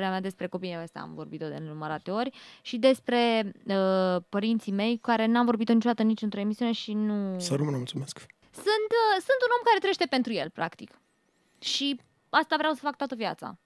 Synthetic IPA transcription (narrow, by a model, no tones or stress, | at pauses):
eamjad̪e̞spɾe̞ko̞pieast̪a̰a̰mvo̞rbit̪od̪ennuməɾat̪eo̞rʲʃid̪e̞spɾe̞əpəɾint̪sime̞jkaɾe̞nuamvo̞rbit̪onit͡ʃod̪at̪ənit͡ʃɨnt̪ɾo̞emisiune̞ʃinusəɾumunmulsumesk | sɨnt̪əsunt̪uno̞mkaɾe̞t̪ɾe̞ʃt̪e̞pe̞nt̪ɾuje̞̰lpɾa̰kt̪ik | ʃi | ast̪avɾeawsəfak̚t̪oat̪əvjat̪sa̰